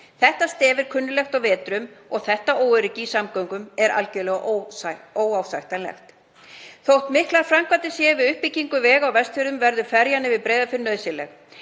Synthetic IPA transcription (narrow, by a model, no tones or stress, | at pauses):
θɛht̪ast̪ɛːvɪɾ̥kʰʏnːʏlɛxt̪awvɛːt̪ɾʏmɔɣθɛht̪aoːwʏɾɪcɪisamkœwŋkʏmɛɾa̰lcɛlɛɣʔ | oːwawsajxt̪anlɛ̰xt̪ | θowht̪mɪhklaɾ̥fɾamkvat̪ɪsjɛvɪðʏhpiciŋkʏvɛːɣawvɛst̪fʏɾðʏmvɛɾðʏfɛɾjanːɪvɪðpɾeːjðafɪɾɪnœðsjɛlɛ̰x